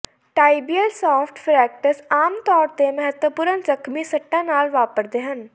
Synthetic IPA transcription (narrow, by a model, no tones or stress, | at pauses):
ʈaːibijəlsɔːpʰʈpʰɾɛːk̚ʈəsaːmt̪ɔːɾt̪eməɦət̪wəpʊɾənzəkʰmiːsəʈːãːnaːlʋaːpəɾd̪eːɦən